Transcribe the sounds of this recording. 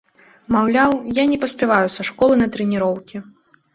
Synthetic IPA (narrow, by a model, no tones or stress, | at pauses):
mawlʲawjanʲɛpɐsʲpʲɛvajusɐʂkɔlˠɨnɐt̪ɾɛnʲiɾɔwkʲi